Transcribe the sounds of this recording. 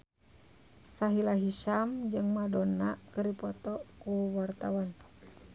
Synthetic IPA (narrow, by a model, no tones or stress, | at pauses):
saɦilaɦiʃamd͡ʒɨŋmadɔnakərdipɔt̪ɔkuwart̪awan